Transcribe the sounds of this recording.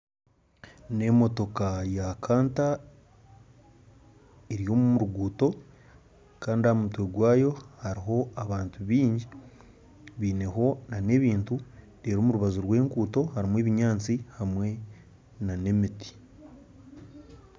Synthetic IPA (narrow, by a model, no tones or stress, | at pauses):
ne̞mo̞to̞kajakʰaːnta | eɾijo̞ːmumuɾuɡuːto̞ | kaːndiamutweɡwaːjo̞haɾiɦo̞aβaːntuβiːɲɟi | βiːne̞ɦo̞nane̞ːβiːntu | ɾeːɾoːmuɾuβazuɾwe̞ːŋkuːto̞haɾimweːβiɲaːnt͡sihamwe̞ | nane̞miti̥